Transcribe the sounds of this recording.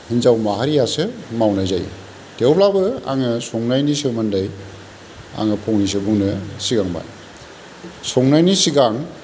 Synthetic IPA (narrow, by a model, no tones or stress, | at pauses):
hinzawmaɦaɾijasɯmawnajzaj̰ | tewplabɯa̰ŋɯsɔŋnajnisɯmandaj | a̰ŋɯpʰɔŋnis̬ɯbuŋnɯsiɡaŋba̰n | sɔŋnajnisiɡaŋ